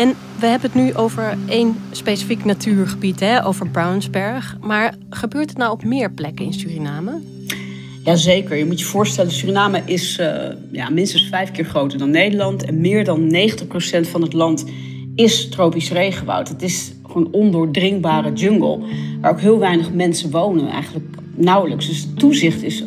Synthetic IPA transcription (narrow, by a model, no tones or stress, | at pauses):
ɛn | ʋəɦɛbənətnyʔowvəɹejnspejsə̥fiknatʰyːɹχəbitɦɛʔo̰wvəɹbrawnzbɛɹχ | maːɹ | χəbøːɹtətnawɔpmɪːɹplɛkəɪ̰nsyrinaːmə | jaːzejkəɹjəmutjəv̥ʊːɹstɛləsyːrinaːməʔɪs | ja̰ːmɪnstənsfɛjfkɪːɹχrowtəɹdɑnːejdəɹlɑntɛ̰nmɪːɹdɑnːejχəntəχprosɛntfɑnɦətlɑnt | ɪstrowpisrejχəba̰wtətɪs | χonɔndʊːɹdrɪŋbaːrəd͡ʒɵŋɡə̰lˠmaːɹoʊwkɦɪːlˠʋɛjnəχmɛnsəʋownənɛ̰jχənlək | nawləksdɵsətːuzɪχtɪs